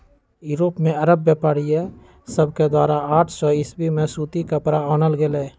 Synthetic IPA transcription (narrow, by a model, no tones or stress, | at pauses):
juːɾoːpmẽɐɾəbːeːpaːɽiɛ | səbked̪waːɾaaːʈʰsɔːɪsbimẽsuːt̪ikəpɾaɔːnəlɡelɛː